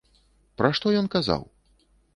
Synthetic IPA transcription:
pɾaʂt̪ɔjɔnkaza̰w

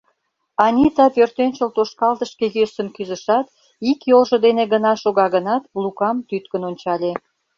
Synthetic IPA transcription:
ɑnʲit̪ɑpørt̪ønʲt͡ɕəlt̪oʃkɑlt̪əʃkejøsənkyzə̆ʃɑt̪ | ikjolʒə̆d̪eneɣənɑʃoɣɑɣənɑt̪lukɑmt̪yt̪kənonʲt͡ɕɑlʲe

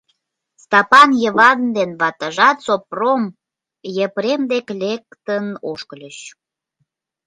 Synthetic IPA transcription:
st̪ɑpɑnjəβɑnd̪enβɑt̪əʒɑt̪sop̚rom | jepɾemd̪eklʲek̚t̪ənoʃkəlʲəɕ

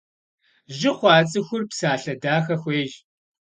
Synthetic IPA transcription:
ʒɪχʷɑːt͡sʼɨxʷʊrpsaːɬɐdaːxɐxʷeːʒ

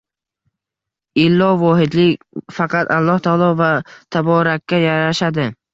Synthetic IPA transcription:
ɪlːɒvɒɦɪd̪lɪkʲ | fɑqʰɑt̪ʰalˠːɒht̪ʰɒɒlˠɒvat̪ʰabɒɾakʲːajaɾaʃad̪ɪ

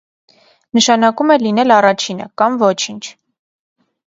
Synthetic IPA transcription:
nəʃɑnɑkumɛlinɛlɑrɑt͡ʃʰinə̰kɑmvɔt͡ʃʰint͡ʃʰ

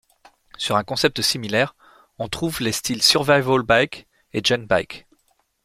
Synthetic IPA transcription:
syʁɛ̃kɔ̃sɛp̚t̪əsimilɛʁ | ɔ̃t̪χuvlest̪ʰilsyʁvajvolbajk | eʒɔnbajk

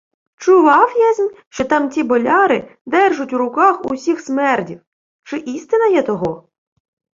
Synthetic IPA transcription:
t͡ʃʊʋɑwjazʲmʲʃt͡ʃɔt̪ɑmtʲibɔlʲɑɾɪd̪ɛrʒʊtʲwɾʊkɑxʊ̰wsʲixsmɛrdʲiw | t͡ʃɪʔist̪ɪnɐjɛt̪ɔɦɔ

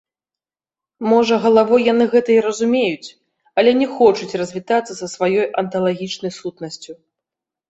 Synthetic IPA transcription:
mɔʐɐɣɐlˠavɔjjanɨɣɛt̪ɐiɾɐzumʲejut͡sʲ | ɐlʲɛnʲɛxɔt͡ʂut͡sʲrɐzʲvʲit̪at̪sːɐsɐsvajɔjɐnt̪ɐlˠaɣʲit͡ʂnɐjsut̪nɐsʲt͡sʲu

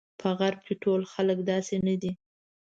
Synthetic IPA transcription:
pʰəɣaɾb̚keʈolxaləkd̪ɑsenəd̪i

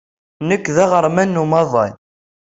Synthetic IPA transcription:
nəkːðæʁəɾˤmænːumɑðˤɑ̰n

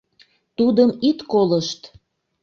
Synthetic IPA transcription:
t̪ud̪əmit̪koləʃt̪

